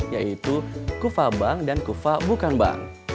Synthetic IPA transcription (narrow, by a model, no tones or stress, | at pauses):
jaʔit̪ukufabaŋdankufabukanba̰ŋ